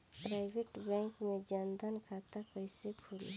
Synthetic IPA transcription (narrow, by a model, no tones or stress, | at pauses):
pɾajbeʈbɛŋkmed͡ʒand̪ankʰat̪apəjsekʰulḭ